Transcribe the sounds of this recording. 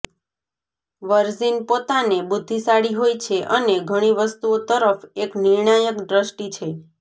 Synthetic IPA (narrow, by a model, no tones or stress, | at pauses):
ʋəɾzinpot̪anebud̪ʱːisaɽiɦojt͡ʃʰeʔəneɡʱəɽ̃iʋəst̪uot̪əɾəfeknɪɾɳajəkɖɾəsʈit͡ʃʰe